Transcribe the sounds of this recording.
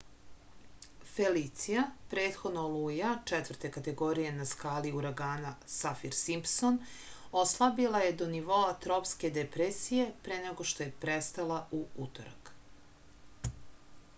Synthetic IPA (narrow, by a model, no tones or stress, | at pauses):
felit̪sijapɾeːt̪xod̪noluːjat͡ʂɛt̪ʋr̩t̪ekat̪e̞ɡo̞ɾije̞naskaːliuɾaɡaːnasafiɾsimpson | o̞slˠabilaje̞d̪o̞niʋo̞at̪ɾo̞pske̞d̪epɾesije̞pɾeneɡo̞ʃt̪o̞je̞pɾest̪alˠauut̪o̰ɾa̰k